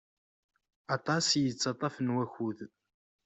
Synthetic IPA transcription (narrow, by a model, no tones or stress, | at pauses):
ɑt̪ˤɑsjət͡sːɑt̪ˤɑfənwæçuð